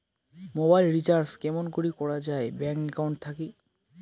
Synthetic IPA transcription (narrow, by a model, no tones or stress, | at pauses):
mobajlɾit͡ɕaɾskɛmonɡuɽikɔɽad͡ʑaebɛŋkɛkawɳʈ̚t̪ʰaki